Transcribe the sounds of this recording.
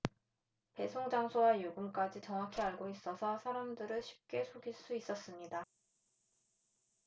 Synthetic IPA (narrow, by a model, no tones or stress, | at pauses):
pe̞sʰoŋd͡ʑaŋsʰowajuɡɯmk͈ad͡ʑit͡ɕʌŋwakʰiaɭɡois͈ʌsʰʌsʰaɾamdɯɾɯɭɕʰi̥p̚k͈e̞sʰoɡiɭs͈uis͈ʌs͈ɯmɲida